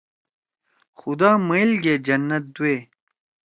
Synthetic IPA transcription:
xʊd̪aːmɐilɡed͡ʑɐnːɐt̪̚d̪ueː

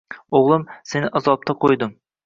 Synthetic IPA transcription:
oʁlˠɨmsenɪʔɑzɑp̚t̪ʰɑqʰojd̪ɨm

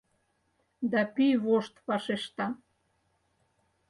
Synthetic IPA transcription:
d̪ɑpijβoʃt̪pɑʃeʃt̪ɑ

